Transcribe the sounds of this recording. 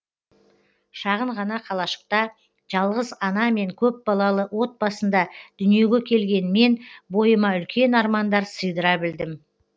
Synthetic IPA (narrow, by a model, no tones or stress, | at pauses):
ʃɑʁəɴʁɑnɑqʰɑlˠɑʃə̥q̚t̪ɑ | ʒ̥ɑlˠʁəzɑnɑme̞ŋkʲʰɵp̚bɑlˠɑlˠəwo̞t̪̚bɑsənd̪ɑd̪̥ʏnije̞ɡʲe̞kʲʰe̞lɡʲe̞nme̞nbo̞jəmɑʏlkʲe̞nɑɾmɑnd̪ɑɾsəjd̪əɾɑbɪld̪ɪm